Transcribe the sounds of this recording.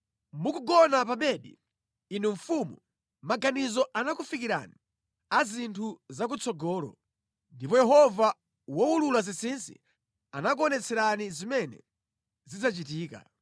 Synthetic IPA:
mukuɡɔnapaɓɛɗḭ | inɛɱ̩fumu | maɡanizɔʔanakufikiɾa̰ni | azintʰuzak̬ut͡sʰɔɡɔːlɔ̰ | ndipɔjɛɦɔva | wɔululazisinsḭ | anak̬uɔnɛt͡sʰɛɾanizimɛnɛ̰ | zid͡zat͡ʃitiːka̰

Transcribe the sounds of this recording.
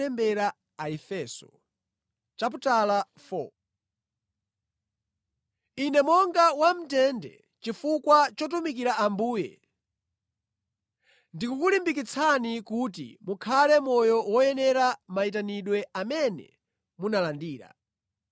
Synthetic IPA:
ɛmbɛɾa | aɛfɛsɔ̥̰ | t͡ʃap̬utala | fɔ̰ | inɛmɔŋɡawam̩tɛndɛ̰ | t͡ʃifukwat͡ʃɔtumikiɾaambuːjɛ̰ | ndikukulimbik̬it͡sʰanikut̬ḭmukʰalɛmɔjɔwɔjɛnɛɾamaitaniɗwɛamɛnɛ̰ | munalandiːɾa̰

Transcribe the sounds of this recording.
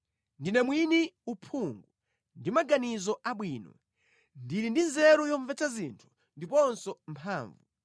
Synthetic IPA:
ndinɛmwiniupʰuŋɡu | ndimaɡanizɔʔaɓwiːnɔ̰ | ndiɾindinzɛɾɔjɔɱvɛt͡sʰazintʰu̥ | ndipɔnsɔm̩pʰaːɱvu

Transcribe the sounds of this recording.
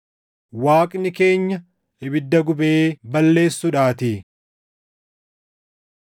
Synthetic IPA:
waːkʼnɪke̞ːɲːɐ | ɪbɪd̪ːɐɡʊbeːbɐlːe̞ːsːʊᶑaːt̪i

